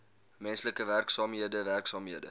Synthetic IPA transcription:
mɛnsləkəværksɑːmɦiədəværksɑːmɦiədə̰

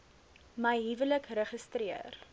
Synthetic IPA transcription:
məjɦivələkrəχəstriə̰r

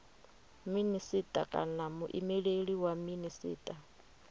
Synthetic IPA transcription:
minisitʼakʼa̰namuʔḭmɛɺeɺiwaminisḭːtʼa

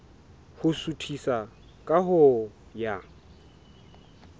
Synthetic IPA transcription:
hʊsutʰisa | kʼaɦʊja

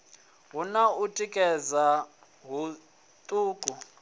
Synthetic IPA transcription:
ɦunautʼikʼɛza | ɦu | t̪ʼuːkʼu

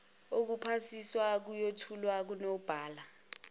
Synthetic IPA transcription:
ok̬upʰasiswak̬ujotʰulwak̬unob̥ʱaːla

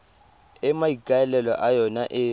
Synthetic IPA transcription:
ɛmaikʼaɛlɛlɔ̰ʔajɔnaʔɪ

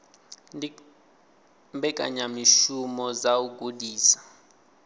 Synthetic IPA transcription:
mbɛkʼa̰ɲamiʃumɔzauɡʱʼudiːsḁ

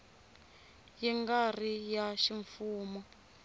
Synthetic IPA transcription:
jɛŋɡar̤ijaʃiɱfuːmɔ

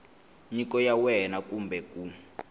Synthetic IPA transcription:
ɲikɔjawɛnakumbɛku

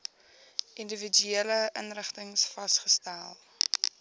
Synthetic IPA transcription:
ʔindəvid͡ʒyeːləʔənrəχtəŋsfɐsχəstælˠ

